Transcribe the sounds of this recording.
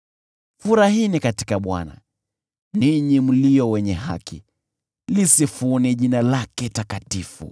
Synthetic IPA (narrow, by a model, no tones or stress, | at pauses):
fuɾaɦinikati̥kaɓwa̰na̰ | niɲim̩liɔwɛɲɛɦa̰kḭ | lisifunɛʄinalakɛtakatifṵ